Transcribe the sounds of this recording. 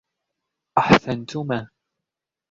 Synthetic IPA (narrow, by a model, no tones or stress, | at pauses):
ʔaħsant̪ʊmaː